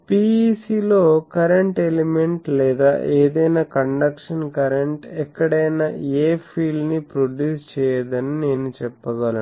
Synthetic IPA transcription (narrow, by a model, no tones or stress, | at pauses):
piːsiːlo̞ːkɐɾeɳʈelimeɳʈlɛːd̪a̰ːʔeːd̪ɐjnaːkɐɳɖɐkʂɐnkɐɾeɳʈɛkːɐɽɐjnaeːpʰiːlnipɾoɖjuːst͡ʃɛːjɐd̪ɐnine̞ːnut͡ʃɛpːɐɡɐlɐ